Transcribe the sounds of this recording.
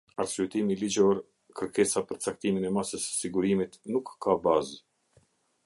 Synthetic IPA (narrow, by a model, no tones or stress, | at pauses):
aɾsyɛt̪imilid͡ʒɔɾ | kəɾkɛsapəɾt͡sak̚t̪iminɛmasəsə̥siɡuɾimit̪nukːabaz